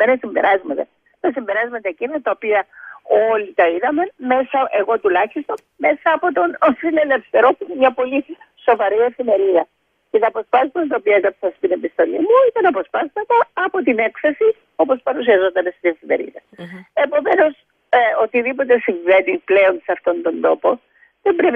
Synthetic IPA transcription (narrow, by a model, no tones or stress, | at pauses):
menesimbe̞̰ɾɐzmɐt̪ɐ | t̪ɐsimbe̞ɾɐzmɐt̪ɐecinɐt̪ɐopiɐo̞lit̪ɐiðɐme̞me̞sɐʔe̞ɣo̞t̪ulɐçist̪o̞n | me̞sɐːpo̞t̪o̞nsine̞le̞fθe̞ɾo̞puinemɲɐpo̞liso̞vɐɾie̞fime̞ɾiðɐ | ce̞t̪ɐːpo̞spɐsɐt̪ɐt̪ɐopiɐekɐpsɐst̪ine̞pist̪o̞limuit̪ɐnɐpo̞spɐst̪ɐt̪ɐːpo̞t̪ine̞kθe̞si | o̞po̞spɐɾus̬iɐzo̞t̪ɐne̞st̪ie̞fime̞̰ɾḭðɐ | e̞po̞me̞no̞s | o̞t̪iðipo̞t̪̬e̞siɱve̞niple̞o̞nsɐft̪o̞nt̪o̞nd̪o̞po̞ | ðembɾep